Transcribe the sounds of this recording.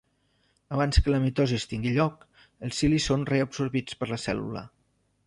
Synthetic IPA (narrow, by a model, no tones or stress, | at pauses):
əβ̞anskələmit̪ozist̪iŋɡiʎɔk | əlˠsilisːonreəbsuɾβit͡spəɾləsɛ̰lṵlə̰